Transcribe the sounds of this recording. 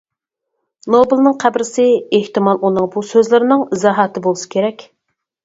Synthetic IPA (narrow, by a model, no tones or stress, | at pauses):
nobɨlˠnɨŋqʰæbɾɪsɪeht̪ɨmɑlˠʔunɨŋbusøzlɪɾɪnɨŋɨzɑɦɑt̪ʰɨbolˠɨsɨ̥kʲʰeɾɛkʲ